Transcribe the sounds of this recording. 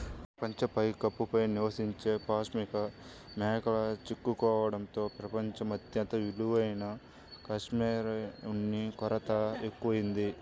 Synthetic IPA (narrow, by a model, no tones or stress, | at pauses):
pɾɐpɐɲt͡ʃɐpɐjkɐpːupɐjniʋɐsiɲt͡ʃe̞ːpaːsmikɐ | mɛːkɐɭɐt͡ʃikːukɔːʋɐɽɐnt̪o̞ːpɾɐpɐɲt͡ʃɐmɐt̪jɐnt̪ɐʋiluʋɐjnɐ | kɐʂmiːɾɐunːikɔɾɐt̪ɐekːuʋɐjind̪i